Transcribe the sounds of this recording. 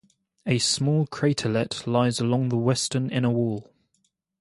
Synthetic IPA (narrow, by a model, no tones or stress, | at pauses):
əsmɔːlˠkʰɹ̥eɪtʰəlɛʔʰlaɪzəlɒ̃ŋðəwɛstənɪ̃ñəwɔːlˠ